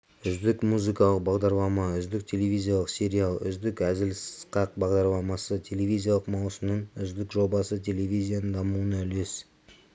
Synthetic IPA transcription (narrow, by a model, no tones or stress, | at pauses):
ʏzd̪ɪkmuzijkɑlˠəq̚bɑʁd̪ɑɾlˠɑmɑʏzd̪ɪk̚t̪ʲʰe̞levʲizʲijalˠəqsʲe̞ɾʲialˠʏ̰zd̪ɪkæzɪlssqɑq̚bɑʁd̪ɑɾlˠɑmɑsət̪ʲʰe̞le̞vʲijzʲijalˠəqmɑwsəmnəɴʏzd̪ɪkʒo̞bɑsət̪ʲʰe̞le̞vʲijzʲijanəd̪ɑmuənɵle̞s